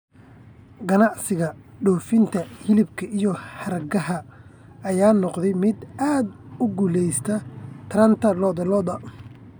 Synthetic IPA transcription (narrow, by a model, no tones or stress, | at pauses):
ɡɐnɑʕsɪɣɐɖɔːfɪnt̪ʰɐhɪlɪbkʰɐʔijɔhɐrɡɐɦɐ | ɐjaːnɔqd̪ɛjmɪd̪aːd̪ | ʊɡuːlɛjst̪ʰɐt̪ʰɾɐnt̪ʰɐlɔːðɐlɔːðɐ